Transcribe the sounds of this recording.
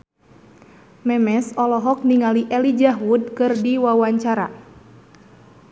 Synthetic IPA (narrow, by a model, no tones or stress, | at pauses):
mɛmɛsɔlɔɦɔk̚niŋaliʔɛlid͡ʒaɦud̚kɨrdiwawaɲt͡ʃaɾa̰